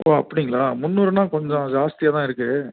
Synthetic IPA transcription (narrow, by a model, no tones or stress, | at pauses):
oːɐpːɐɽɪŋɡɐɭaːmʊnːuːɾɯnaːkɔɲd͡ʒõd͡ʒaːst̪ɪjaːt̪ãːɪɾɯkːɯ